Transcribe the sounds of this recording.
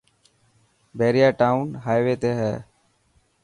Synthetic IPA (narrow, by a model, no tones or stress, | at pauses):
beːɾijaːʈaːunɦaːjʋeːt̪eːɦɛː